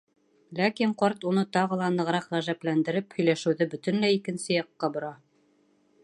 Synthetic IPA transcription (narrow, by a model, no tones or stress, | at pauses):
lækiɴqɑɾt̪unɤt̪ɑʁɤ̆lˠɑnɤ̆ʁɾɑqʁæʒæplænd̪ɘ̆ɾɘphɵ̆jlæʃɘ̆wðɘbɵ̆t̪ɘ̆nlæikɘ̆nsɘjɑqːɑbŏɾɑ